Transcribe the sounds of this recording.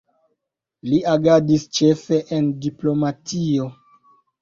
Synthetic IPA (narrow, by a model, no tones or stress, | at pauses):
liaɡadist͡ʃe̞fe̞ʔendiplo̞matʰio̞